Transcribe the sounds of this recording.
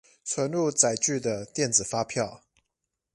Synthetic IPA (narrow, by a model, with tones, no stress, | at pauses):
t͡sʰwə˧˦nlu˥˨t͡sa˨˩ɪt͡ɕy˥˨d̪ə˩t̪jɛ˥˨nd͡zɹ̩˨˩fa˦pʰjɑ˥˨ʊ